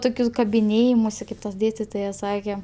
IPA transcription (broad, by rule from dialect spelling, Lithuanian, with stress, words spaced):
ˈtoːkʲʊs kɐbʲɪˈnʲeːjɪmʊsʲɪ ˈkɐɪp ˈtɐs ˈdʲeːsʲtʲɪtoːjɛs ˈsɑːkʲɛ